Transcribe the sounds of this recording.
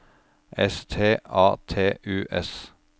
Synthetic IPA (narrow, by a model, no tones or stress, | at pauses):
ʔɛst̪ʰeːɑːt̪ʰeːʔʉːʔɛs